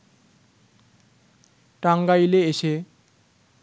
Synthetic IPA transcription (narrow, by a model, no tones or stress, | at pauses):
ʈaŋɡajleeʃe